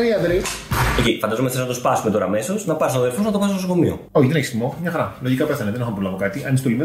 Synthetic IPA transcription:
ɾiɐd̪ɾiecefɐnd̪ɐzomeθeznɐt̪ospɐsumet̪o̞ɾɐːme̞so̞znɐpɐɾsunðeɾfoznɐt̪o̞pɐsnt̪osokomio̰ | oçiðeneçst̪imomɲɐxɐɾɐlo̞ʝikɐpeθɐneðenixompɾolɐvokɐt̪iʔɐnist̪o̞lime

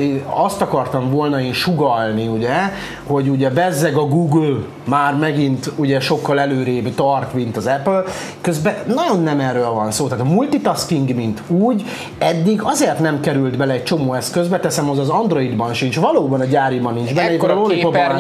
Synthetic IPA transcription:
eːnɒst̪ɒkɒrt̪ɒɱvo̞lnɒeːnʃuɡɒlniuɟɛ | ho̞ɟuɟɛvɛzːɛɡɒɡuɡl | maːrmɛɡint̪uɟɛʃo̞kːɒlɛløːɾebt̪ɒrt̪mint̪ɒzɛpl | køzbɛnɒɟo̞nːɛmɛrːøːlvɒnsoːt̪aːt̪mult̪it̪ɒskiŋɡmint̪uːɟ | ɛd̪ːiɡɒzeːrt̪nɛmkɛɾylt̪bɛlɛːc̚t͡ʃo̞moːɛskø̞zbɛt̪ɛsɛmozɒzɒnd̪ro̞id̪bɒnʃint͡ʃvɒloːbɒnɒɟaːɾibɒnːind͡ʒbɛnːɛmikoɾlolio

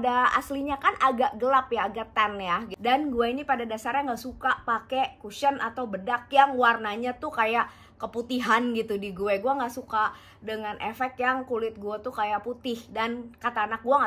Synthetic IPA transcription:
daasliɲakanʔaɡaʔɡəlapjaːɡaʔt̪anjaɡdanɡuainipadadasarjaŋɡaʔsukapakekuʃənat̪aubədakjaŋwarnaɲat̪ʊkajaʔ | kəput̪iɦanɡit̪udiɡuɛɡuaŋɡaʔsuka | dəŋanʔefɛk̚t̪jaŋkulɪt̪̚ɡuat̪ukajaʔput̪ɪhdankat̪aːnak̚ɡuaŋa

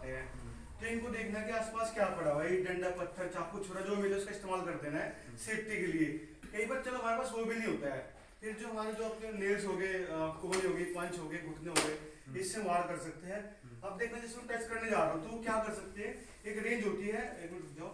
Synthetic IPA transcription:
t̪eɦɛ̃ː | t̪oɪnkod̪eːkʰnaɦɛkiaːspaːskjaːpɐɽabəiɖə̃ɳɖapɐt̪ʰːəɾt͡ʃaːp̚kʊt͡ʃʰoːɾad͡ʒoːmileʊskaɪst̪eːmaːlkɐɾd̪eːnaɦɛ | seːpʈ̪ikelie | kɐibaːɾt͡ʃɐloɦɐmaːɾepaːsʋoːbʱinə̃ĩɦoːt̪aɦɛː | pʰɪɾd͡ʒoːɦɐmaːɾed͡ʒoːɐpeneːlsɦoːɡekʊbɾiɦoːɡipɐ̃nt͡ʃɦoːɡeɡʱʊʈʰneɦoːɡeːɪsːemaːɽkəɾsɐk̚t̪eɦɛ̃ː | ɐb̚d̪eːkʰnad͡ʒɪsmɛ̃ʈɛːkskəɾned͡ʒaːɾaũt̪ookjaːkəɾsɐk̚t̪eɦɛ̃ː | eːkɾẽːnd͡ʒʱoːʈiɦɛːd͡ʒaː

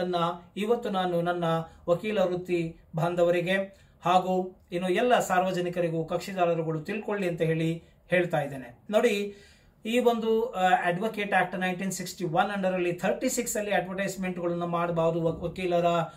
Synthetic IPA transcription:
ɐnːɐiʋɐt̪ːunaːnunɐnːɐʋɐkiːlɐɾut̪ːi | bʱaːnd̪ʱɐʋɐɾiɡe̞ | haːɡuːinːuɛlːɐsaːɾʋɐd͡ʒɐnikɐɾiɡukɐkʂid̪aːlɐɐɾɐɡɐɭut̪ilko̞ɭːiɐnt̪ɐɦe̞ːɭi | he̞ːɭt̪aːjid̪eːneno̞ːɽi | iːʋo̞nd̪ueɖʋokeːʈaːk̚ʈnɐjɳʈiːnsiksʈiʋɐnɐɳɖɐɾɐlːit̪ʰɐɾʈisiksɐlːiɐɖʋɐɾʈɐjsmeɳʈuɡɐɭɐnːumaːɽɐbaːʋɐd̪uʋɐkiːlɐɾɐ

